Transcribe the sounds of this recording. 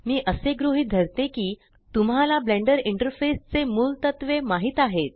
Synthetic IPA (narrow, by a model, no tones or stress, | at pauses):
miːʔəseɡɾoɦiːd̪ʱəɾt̪ekiː | t̪umɦalablẽɳɖəɾiɳʈəɾfest͡semuːlt̪ət̪ʋemaɦiːt̪aɦet̪